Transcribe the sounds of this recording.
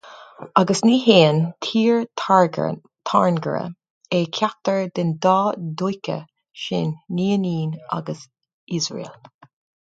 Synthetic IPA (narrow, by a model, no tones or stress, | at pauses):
ɑɡəsniːɦeːənt̪ʰiːɹɹɡ | t̪ʰaɹnɡəɹə̰ | eːkʰak̚t̪əɹd̪ɪnd̪ɑːd̪ujkə̰ | ʃɪ̰nːiːəniːna̰ɡəs | izɹḛːl